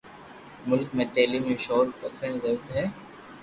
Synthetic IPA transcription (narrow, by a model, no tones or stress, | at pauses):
mʊlkmẽt̪eːlimẽʃɔːɾpɐkʰəɳ̃zɐbt̪ɦɛː